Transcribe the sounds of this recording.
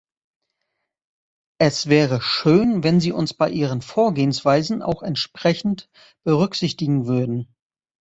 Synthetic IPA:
ʔɛsv̥ɛːʁəʃøːnvɛnziːʔʊ̰nsb̥aɪʔiːʁ̞ənfoːɐɡeːənsv̥aɪzn̩ʔa̰ʊxɛntʃpʁ̥ɛçn̩t | b̥əʁ̞ʏkz̥ɪçtɪɡŋ̩vʏɐdn̩

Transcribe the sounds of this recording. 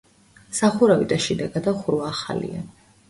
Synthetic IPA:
saχuɾavid̪aʃɛd̪aɡad̪aχuɾvaːχa̰lḭa̰

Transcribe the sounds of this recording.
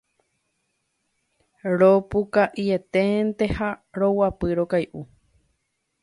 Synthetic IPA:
ɾopukaʔiet̪ẽnt̪ehaɾowapɨɾokajʔu

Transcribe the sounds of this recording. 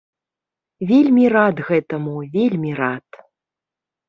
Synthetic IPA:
vʲelʲmʲirat̪ɣɛt̪ɐmuvʲelʲmʲiɾat̪

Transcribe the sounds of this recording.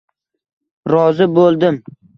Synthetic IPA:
ɾɒzɪbolˠd̪ɪm

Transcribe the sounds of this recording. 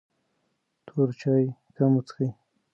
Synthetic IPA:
t̪ʰoɾt͡ʃɑjkamut͡sxij

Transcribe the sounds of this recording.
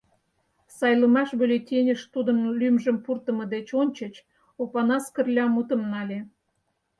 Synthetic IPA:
sɑjləmɑʃbylʲet̪ʲenʲəʃt̪ud̪ənlʲymʒə̆mpurt̪ə̆məd̪et͡ɕonʲt͡ɕə̆t͡ɕ | opɑnɑskə̆rlʲɑmut̪ə̆mnɑlʲe

